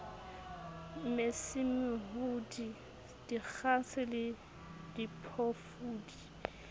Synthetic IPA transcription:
mɪsimɪɦʊdi | d̥ik͡xʰasɪlɪ | dipʰɔfuːdi

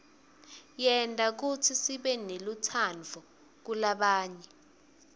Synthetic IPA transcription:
jɛntʼak̬utʰisiɓɛnelutʰand͡vʱɔ | k̬ulaɓaːɲɛ

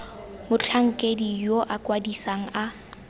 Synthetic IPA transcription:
mʊt͡ɬʰaŋ̩kʼedijoʔakʼwadisaŋ̩a

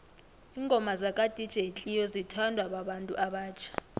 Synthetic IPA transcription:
iŋɡʱɔmazakʼad̥ʱid̥ʒ̥ʱet͡ɬʼijɔzitʰandʱwaɓaɓantʼṵʔaɓaːt͡ʃʰḁ

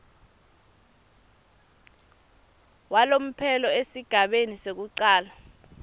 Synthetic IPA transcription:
walom̩pʰɛlɔesiɡ̥ʱaɓenisek̬uǀaːla

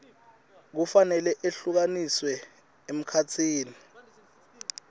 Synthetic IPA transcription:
k̬ufanɛlɛʔeɬuk̬aniswɛ | em̩kʰat͡sʰiːni

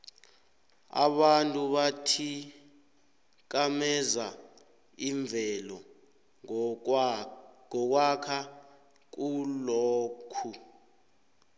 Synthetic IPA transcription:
a̰ɓantʼuɓatʰi | k̬ʼamɛza | iɱb̪vʱɛlɔ | ŋɔk̬wakʰa | k̬uloːkʰu

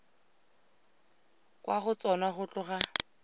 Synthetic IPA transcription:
kwaχʊt͡sʼɔnaχʊt͡ɬʼʊχa

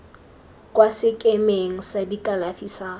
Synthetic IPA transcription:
kwasɪkʼemeŋ̩sadikʼalafisaː

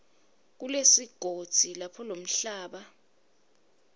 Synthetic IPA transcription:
k̬ulesiɡ̥ʱod̥z̥ʱilapʰɔlom̩ɬaːɓa

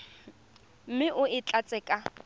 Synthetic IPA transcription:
m̩mɪʔʊɪt͡ɬʼat͡sʼɛːkʼa

